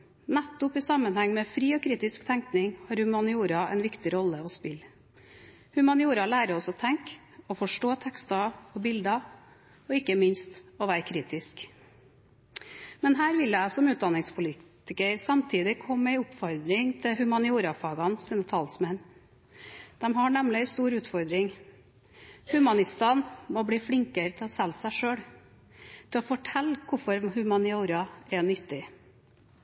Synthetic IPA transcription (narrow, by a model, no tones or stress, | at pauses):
næt̪ːʊpɪsɑmənhæŋːmɛfɾiːɔkʰɾiːt̪ɪskt̪ʰæŋknɪŋhɑːɾhʉmɑnɪuːɾɑɛ̰nʋɪkt̪ɪɾɔlːəɔspɪl | hʉmɑnɪuːɾɑlæːɾəɔsɔt̪ʰɛŋk | ɔfɔʂʈoːt̪ʰɛkst̪ɑɔbɪld̪ɑ | ɔɪkːəmɪnst̪ɔʋæːɾkʰɾiːt̪ɪsk | mɛnɦæːɾʋɪlæɪsɔmʉːt̪̚d̪ɑnːɪŋspʰʊliːt̪ɪkəɾsɑmt̪ʰiːd̪ɪkʰɔmːəɪʊpfɔɾd̪ɾɪŋt̪ʰɪhʉmɑnɪuːɾɑfɑːɡɑnsiːnət̪ʰɑlsmɛn | d̪̥ɛmɦɑɳɛmlɪst̪uːɾʉːt̪fɔɾd̪ɾɪŋ | hʉmɑnɪst̪ɑːnmɔbɽiːfɽɪŋkəɾət̪ʰɪlɔsɛlsæɪʂøːɽ | t̪ʰɪlɔfɔʈʰɛlkʰʊfɔɾhʉmɑnɪuːɾɑɛnʏt̪ːɪ